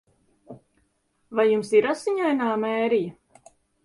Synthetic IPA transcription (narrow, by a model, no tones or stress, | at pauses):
vajːumsiɾasiɲajnaːmɛːɾijɐ